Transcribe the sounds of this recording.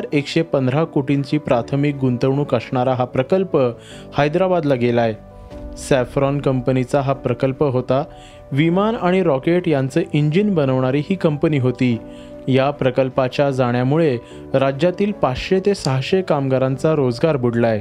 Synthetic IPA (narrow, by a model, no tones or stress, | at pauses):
ɾekɕepənd̪ʱɾakoʈiɲt͡ɕiːpɾat̪ʰəmik̚ɡunt̪əʋɳ̃uːkəsɳaɾaɦapɾəkəlpə | hajd̪ɾabad̪laɡelaj | sæfɾɔnkəmpənit͡saɦapɾəkəlpəɦot̪a | ʋimanaɽ̃iɾɔkeʈjant͡səːʔiɲd͡ʑinbənəʋɳ̃aɾiːɦiːkəmpəniːɦot̪iː | japɾəkəlpat͡ɕjad͡zaɽ̃jamuɭe | ɾad͡ʑjat̪iːlpat͡sɕet̪esaɦɕekamɡaɾãnt͡saɾod͡zɡaɾbuɽlae